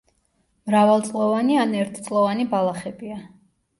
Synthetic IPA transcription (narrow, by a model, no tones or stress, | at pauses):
mɾavalˠt̪sʼlɔvanianɛɾt̪ʰt̪sʼlˠɔvanibalˠaχɛbia